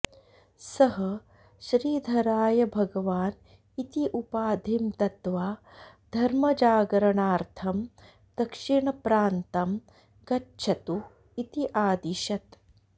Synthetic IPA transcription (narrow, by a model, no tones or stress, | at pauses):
sɐɦɐ | ʃɾiːd̪ʱɐɾaːjɐbʱɐɡɐʋaːn | it̪iʔupaːd̪ʱimt̪ɐt̪ʋaːd̪ʱɐɾmɐd͡ʒaːɡɾɐɳaːɾt̪ʰɐm | d̪̥ɐkʂiɳɐpɾaːnt̪ɐm | kɐtːʃʰɐt̪u | it̪iʔaːd̪iʃɐt̪